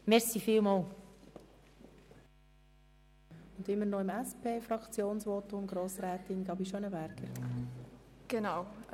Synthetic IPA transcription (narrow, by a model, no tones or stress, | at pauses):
mɛɾsifiːlmɑːl | ʊndɪmːəɾnoɪmæspʰeːfɾɑkt͡sjoːnsʋotʊmɡ̥ɾoːsɾɛːtɪnɡ̥ɑːbiʃɔnəbæɾɡ̥əɾ | ɡ̥enaw